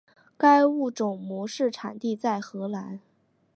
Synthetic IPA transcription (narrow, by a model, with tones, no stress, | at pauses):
ka˥ɪu˥˩ʈ͡ʂʊ˨˩ŋmwɔ˧˥ʂɻ̩˥˩ʈ͡ʂʰa̰˨˩nt̪i˥˧t͡sa˥˩ɪxɤ˧˥la˧˥n